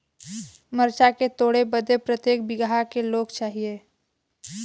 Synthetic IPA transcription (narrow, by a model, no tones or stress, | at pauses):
məɾt͡ʃaket̪oːɽebəd̪ʱepɾət̪jeːk̚bɪɡaɦakeloːɡt͡ʃaːɦie